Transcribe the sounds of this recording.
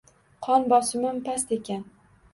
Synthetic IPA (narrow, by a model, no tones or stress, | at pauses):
qʰɒnbɒsɪmampast̪ekʲʰan